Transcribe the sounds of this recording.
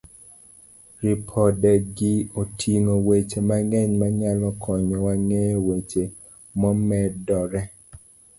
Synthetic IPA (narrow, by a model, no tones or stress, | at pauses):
ɾipʰɔdɛɡiotʰiŋowet͡ʃemaŋɛɲmaɲalɔkʰɔɲɔwaŋewet͡ʃe | mɔmɛdɔɾɛ